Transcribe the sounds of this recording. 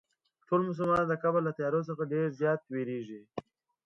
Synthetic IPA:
ʈʰolmʊs̬ʊlmɑnd̪əkabəlːat̪ajɑɾos̬əxaɖeɾzjɑːt̪̚weɾeʒi

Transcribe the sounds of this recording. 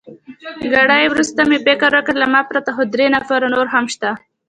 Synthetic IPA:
ɡaɽajwɾust̪amepekaɾakəɾlamɑpɾat̪axod̪ɾenafaɾonoɾɦamʃt̪a

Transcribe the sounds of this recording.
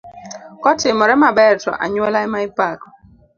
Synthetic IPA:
kɔtɪmɔɾɛmabɛɾtɔ̰ʔa̰ɲwɔlaɛmaipakɔ̥

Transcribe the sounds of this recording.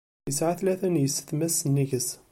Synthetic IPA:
əsʕaθlæθænjəsə̥t̪mæsːənːiɡəs

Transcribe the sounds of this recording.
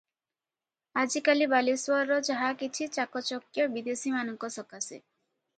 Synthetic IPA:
ad͡ʒikalibaliswɔɾɾɔd͡ʒaɦakit͡ʃʰit͡ʃakɔt͡ʃɔkjɔbid̪esimanɔŋkɔsɔkase

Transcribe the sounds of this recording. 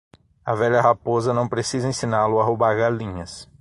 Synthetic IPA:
ɐvɛʎɐɦapozɐnɐ̃w̃pɾesizɐẽsĩnalʊaɦobaɾɡaɾlĩɲɐs

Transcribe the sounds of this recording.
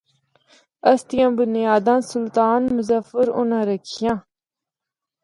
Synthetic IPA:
ɐst̪ijãbunjaːd̪ãːnsult̪aːnmuzɐfəɾṵnãɾɐkʰjã

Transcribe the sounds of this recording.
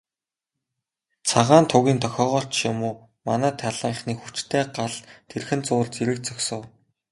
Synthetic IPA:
t͡sʰaʁaːnt̪ʰʊɣʲiːnt̪ʰœxʲɔːʁɔːɬt͡ɕʃamʊː | manæːt̪ʰaɮiːɴχniːxut͡ɕt̪ʰeːɢaɮt̪ʰerxɘ̆nt͡sʊːɮt͡seɾɘ̆k̚t͡sœksə̆w

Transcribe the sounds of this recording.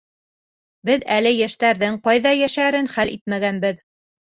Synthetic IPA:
bɘðælɘjæʃt̪æɾðɘɴqɑjðɑjæʃæɾɘnχælʔḭt̪̚mæɡænbɘð

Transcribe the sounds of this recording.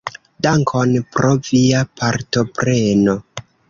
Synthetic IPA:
daŋkʰo̞npɾo̞viapʰaɾto̞pɾe̞no

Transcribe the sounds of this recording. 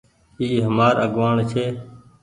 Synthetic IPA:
iːɦəmaːɾəɡʋaːɳt͡ʃʰeː

